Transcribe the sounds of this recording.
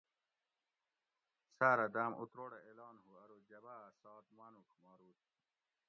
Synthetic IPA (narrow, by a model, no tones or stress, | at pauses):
saːɾɐd̪aːmʔṵt̪ɾoːɽeeːlɑːnɦuɐɾod͡ʑɐbasɑːt̪manukmaːɾuːt̪